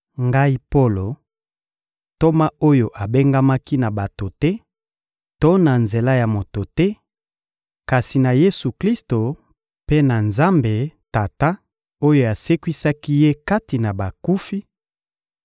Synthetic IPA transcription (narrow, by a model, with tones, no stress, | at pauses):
ŋɡa˦i˦po˦lo˨ | to˦ma˦o˦jo˨ʔa˨be˦ŋɡa˦ma˦ki˦na˨ba˨to˨tɛ˦ | to˦na˨nze˨la˦ja˨mo˨to˨tɛ˦ | ka˨si˨na˨je˦su˨kli˦sto˨ | pe˦na˨nza˦mbe˨ta˨ta˦ | o˦jo˨a˨se˦kwi˦sa˦ki˦je˦ka˦ti˨na˨ba˨ku˦fi˦